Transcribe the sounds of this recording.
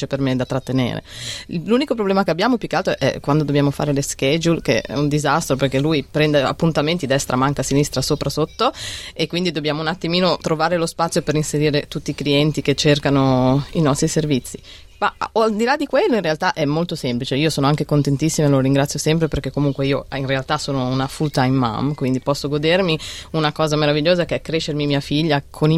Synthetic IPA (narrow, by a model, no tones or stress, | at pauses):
epermed̪at̪ːɾat̪ːenḛːɾḛluːnikopɾoblɛːmakeabːjaːmopjukːealt̪ʔɛ̰kwand̪od̪objaːmofa̰ːɾeleskɛd͡ʒulk̟ḛɛ̰und̪izast̪ɾoperk̟elːujpɾɛnd̪ea̰pːunt̪ament̪id̪ɛst̪ɾamaŋkasinist̪ɾasoːpɾʔasot̪ːoekːwind̪id̪obːjaːmounat̪ːimiːnot̪ɾovaːɾelospat̪sːjopeɾinseɾiːɾet̪ut̪ːiːkliɛnt̪iket͡ʃːerkanoinɔst̪ɾiservit̪sːi | maoald̪ilad̪ikwelːoinrealt̪aʔɛmːolt̪osɛmplit͡ʃeiːosoːnoaŋkekont̪ent̪isːimaloɾiŋɡɾat̪sːjosɛmpɾeperkekːomuŋkweiːoinrealt̪asoːnounafult̪aimːa̰mkwind̪ipɔsːoɡod̪ermiunakɔːzameɾaviʎːoːzakeɛkːɾeʃermimiːafiʎːakʰoni